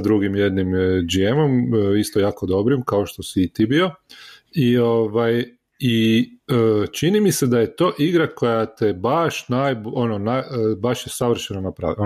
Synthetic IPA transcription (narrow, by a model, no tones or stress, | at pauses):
d̪ɾuɡimje̞d̪nimd͡ʒiemo̞mist̪ojaːko̞d̪o̞bɾimkao̞ʃt̪o̞siːt̪ibio̞ | io̞ʋaj | iət͡ʃinimise̞d̪aje̞t̪o̞ːʔiɡɾako̞jat̪ebaʃnajbononabaʃjesaʋr̩ʃenonapɾa̰ʋi